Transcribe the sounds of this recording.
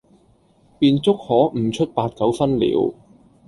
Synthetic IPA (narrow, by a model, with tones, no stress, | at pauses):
piː˧nt͡sʊ˥k̚hɔː˨˥m̩˨˩t͡ʃʰɵ˥t̚paː˧t̚t͡sɐ˨˥wfɐ˥nlḭː˨˥w